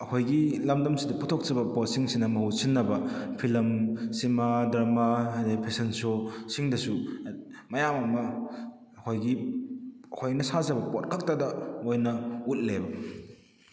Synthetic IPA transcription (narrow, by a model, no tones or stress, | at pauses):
ɐkʰojɡilɐmdɐmsidɐputʰok̚t͡ʃɐbɐpot̚siŋsinɐmɐhusinːɐbɐpʰilɐmsimadɐmaɐdepʰesensosiŋdɐsu | mɐjamɐmɐː | kʰojɡi | ɐkʰojnɐsazɐbɐpot̚kʰɐk̚tɐdɐojnɐut̚lebɐ